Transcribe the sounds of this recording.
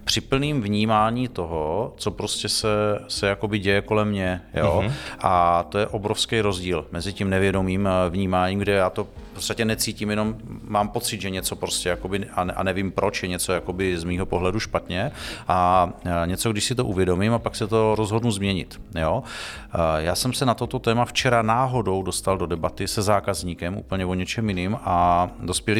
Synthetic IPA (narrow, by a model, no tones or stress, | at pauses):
pr̥ɪpl̩niːmvɲiːmaːɲiːt̪o̞ɦot͡so̞pɾoscɛsɛsɛjako̞bɪɟɛjɛko̞lɛmɲɛjoʔat̪o̞jɛʔo̞bɾofskɛjɾo̞zɟiːlmɛzɪcimnɛvjɛdo̞miːmvɲiːmaːɲiːmɡdɛjaːt̪opot͡sst̪acɛnɛt͡siːcimjɛno̞mmaːmpo̞t͡sɪd̪ʒɛɲɛt͡so̞pɾo̞scɛjako̞bɪanʔa̰nɛvimpɾo̞t͡ʃjɛɲɛt͡so̞jako̞bɪzmiːɦo̞po̞ɦlɛduʃpat̪ɲɛʔaɲɛt͡so̞ɡdɪʃsɪt̪oʔuvjɛdo̞mimapaksɛt̪o̞ɾo̞zɦo̞dnuzmɲɛɲɪ̰t̪jo | jaːsɛmsɛnat̪o̞t̪o̞t̪ɛːmaft͡ʃɛɾanaːɦo̞do̞wdo̞st̪aldo̞dɛbat̪ɪsɛzaːkazɲiːkɛmʔṵːpl̩ɲɛvoɲɛt͡ʃɛmjɪniːmado̞spjɛlɪ